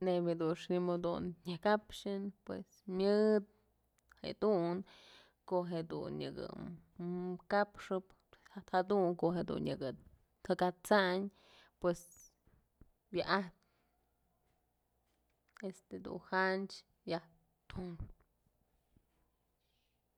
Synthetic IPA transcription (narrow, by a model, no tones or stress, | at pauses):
nebʲhed̪unʂnimod̪ṵnɲɨkapʂɨnpwḛsmjɨd̪̚ | hḛd̪un | koʔɦed̪ṵnjɨ̰ɡɨ̰ | kapʂɨp | sat̪had̪uŋkoɦed̪ṵnjɨ̰ɡɨ | t̪ʰɨkat͡saɲ | pwes | bjaʔaht̪̚ | est̪ed̪ṵnhant͡ʃ | bjah | t̪un